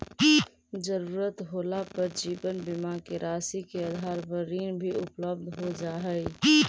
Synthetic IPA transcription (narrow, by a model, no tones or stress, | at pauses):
d͡ʒəɾuːɾət̪ɦoːlapəɾd͡ʒiːbənbɪmakeɾʔaːsikeəd̪ʱaːɾbəɾiːnbʱiʊpləb̚d̪ʱɦod͡ʒaːɦɛi